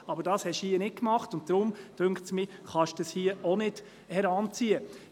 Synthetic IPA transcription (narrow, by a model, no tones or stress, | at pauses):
ɑbəɾdɑːshɛʃhiːənɪt̚kmɑχtʊnt̚d̥ɾʊmd̥ʉŋktsmiχɑʃd̥ɑshiəɔnɪd̥ | hɛɾɑnt͡siːə